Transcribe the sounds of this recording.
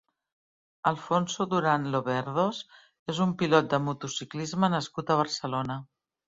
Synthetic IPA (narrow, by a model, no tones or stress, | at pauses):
əlˠfonsuðuɾanloβɛɾðos | ezumpilɔt̪̚d̪əmut̪usiklizmənəskut̪əβ̞əɾsəlonə